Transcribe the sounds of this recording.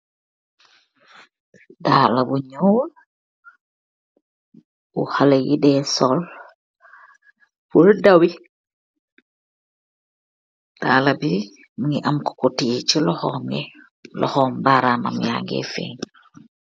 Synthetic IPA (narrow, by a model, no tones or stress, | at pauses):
dalabuɲoːl | uhalejidesol | puɾdawi | d̥aːlabi | muŋiʔamko̥kotijet͡ʃilohome | lʔɔ̰hɔːmbaɾama̰mja̰ːŋɡḛfḛːɲ